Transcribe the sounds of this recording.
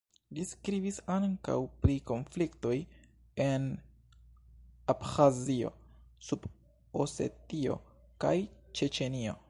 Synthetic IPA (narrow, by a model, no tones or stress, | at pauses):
liskɾibisaŋka̰wpɾiko̞nflikto̞j | e̞n | apxazio̞̰sub̥ | ose̞̰tio̞̰ | ka̰jt͡ʃe̞t͡ʃe̞nio̞̰